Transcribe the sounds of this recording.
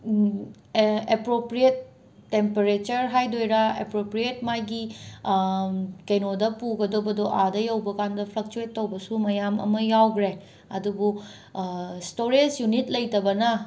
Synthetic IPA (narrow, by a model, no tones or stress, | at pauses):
epɾopɾietː | empeɾet͡ʃɐɾɦajdojɾaḛpɾopɾiet̚majɡi | kɐjnodɐpuɡɐdobɐdoʔadɐjɐwbɐkandɐpʰlɐk̚t͡ʃuetːowbɐsumɐjamɐ̰mɐjawɡɾe | ɐdubu | stoɾesjunit̚lɐjtɐbɐnɐ